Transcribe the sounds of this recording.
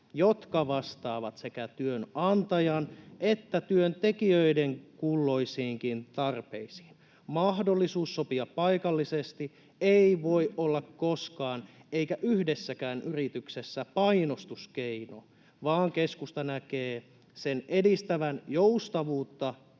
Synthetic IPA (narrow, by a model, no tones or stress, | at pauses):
jot̪kɑʋɑst̪ɑːʋɑt̪sekæt̪yønɑnt̪ɑjɑnet̪ːæt̪yønt̪ekiøideŋkulːo̞isiːŋkint̪ɑrpḛisi̥ːn | mɑhdolːisuːsːo̞piɑppɑikɑlːisest̪i | eiʋo̞iʔolːɑkkoskɑːneikæʔyhdesːækæːnʔyrit̪yksesːæpɑino̞st̪uskeino̰ | ʋɑːŋkeskust̪ɑnækeː | senedist̪æʋænjoust̪ɑʋuːt̪ːɑ